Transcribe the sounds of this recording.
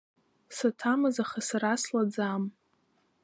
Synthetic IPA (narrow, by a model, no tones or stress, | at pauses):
satʰamɨzaχasaɾaslad͡zam